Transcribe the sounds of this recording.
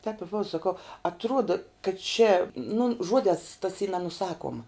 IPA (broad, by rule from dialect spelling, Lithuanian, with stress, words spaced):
tʲɛp ɪ ˈboːʋɐ sɐˈkɐʊ ɐtˈruɔdɐ kɐt t͡ʃʲɛ nʊ ˈʒuɔdʲɛːs tɐs iː nʲɛnʊˈsɑːkuɔmɐ